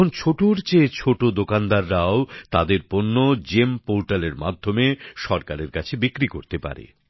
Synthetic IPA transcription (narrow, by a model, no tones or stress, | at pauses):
ont͡ɕʰoʈuɾt͡ɕet͡ɕʰoʈod̪okand̪aɾːaot̪ad̪eɾponːod͡ʑempoɾʈaleɾma̰d̪ʱːomeʃɔɾkaɾeɾkat͡ɕʰebikɾikoɾt̪epa̰ɾḛ